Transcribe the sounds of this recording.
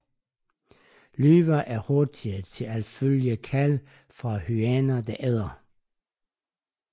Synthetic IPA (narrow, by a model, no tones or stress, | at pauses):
lyːʋɐʔæɐhɔɐd̥iət͡sʰe̝ælføləkʰæl | fʁɑ̈hyænɐd̥æʔeðˠɐ